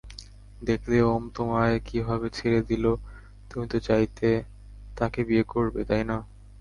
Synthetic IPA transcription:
d̪ekʰleomt̪omaekibʱabet͡ɕʰeɾed̪ilo | t̪umit̪ot͡ɕajt̪e | t̪akebiekoɾbet̪ajna

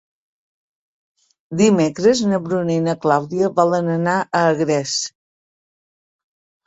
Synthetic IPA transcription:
d̪imekɾəznəβɾuninəklawðiəβɔlənənaəːɣɾɛs

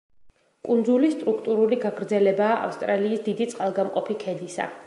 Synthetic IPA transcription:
kʼund̪zulist̪ʼɾukʰt̪ʼuɾuliɡaɡɾd̪zɛlɛbaːʔa̰fst̪ʼɾaliːsd̪id̪it̪sʼqʼalˠɡamqʼɔpʰikʰɛd̪isa̰

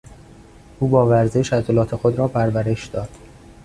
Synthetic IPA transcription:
ʔuːbɒːvæɾzeʃæt̪olɒːt̪ʰexod̪ɾɒːpʰæɾvæɾe̞ʃd̪ɒːd̪̥

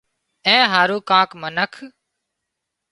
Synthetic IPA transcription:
ɛ̃ːɦaːɾuːkãːkmənəkʰ

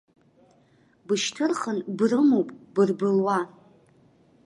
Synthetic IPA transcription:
bɨʃtʰɨrχənbrɨmowpʼbɨrbɨlwa

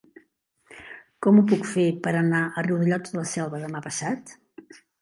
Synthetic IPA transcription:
kɔmupukfepəɾənaʔəriwðəʎɔələsɛlˠβəðəmapəsat̪

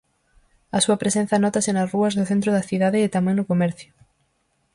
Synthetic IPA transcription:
ɐsuɐpɾesẽn̟θɐnɔt̪ɐsɪnɐsruɐznðʊθent̪ɾʊðɐθiðaðɪːt̪amɛ̃ŋnʊkomɛɾθjʊ

